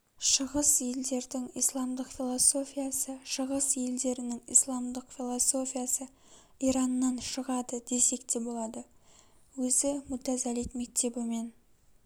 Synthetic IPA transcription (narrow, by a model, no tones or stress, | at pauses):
ʃəʁəsje̞ld̪e̞ɾd̪ɪŋḭjslˠɑmd̪əqfʲilˠoso̞fʲijasəʃəʁəsje̞ld̪e̞ɾɪnɪŋḭjslˠɑmd̪əqfʲilˠoso̞fʲijasə | iɾɑnːɑnʃəʁɑd̪əd̪e̞se̞kt̪e̞bo̞lˠɑd̪ə | wɵzɪmʊt̪æzælit̪mek̚t̪ʰe̞bɪme̞n